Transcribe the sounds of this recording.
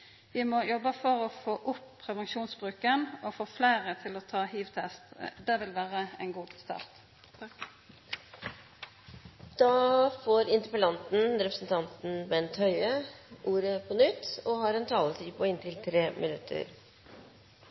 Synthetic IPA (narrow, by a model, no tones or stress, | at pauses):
ʋɪmɔjɔbəfɔʁɔfoːʔʊpʰːʁɛʋɛnʃuːnsbʁʉːkənɔfoːflæɪʁət̪ʰɪlɔt̪ʰɑːhiːʋt̪ʰɛst̪d̪ɛʋɪlʋæːʁəɛ̰nɡuːɡst̪ɑ̰ːʁt̪ | d̪̥ɑːfoːɾɪnt̪əɾpəlɑnt̪n̩ɾɛpɾəsn̩t̪ʰɑnt̪n̩bɛnt̪ʰœʏəʔuːɾəpʰɔnʏt̪ːɔhɑɾɛnt̪ʰɑːlət̪ʰiːpʰɔɪnt̪ʰɪlt̪ʰɾeːmʔɪnʉt̪ʰːə̰ɾ